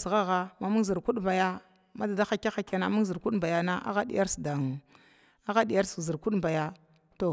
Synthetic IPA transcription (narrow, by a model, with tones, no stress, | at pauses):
sɣa˦ɣa˦ma˨mu˦zi˨ɾku˦ɗba˨ja˦ | ma˦da˨da˦xa˦ka˦xa˨ka˨na˨mu˦ŋzi˨ɾku˦ɗmba˨ja˦na˦ʔa̰˦ɣa˦dḭ˦ja˦ɾsda˨ŋ˨ | a˦ɣa˦di˨ja˦ɾszi˨ɾku˦ɗmba˨ja˦ | to˦˨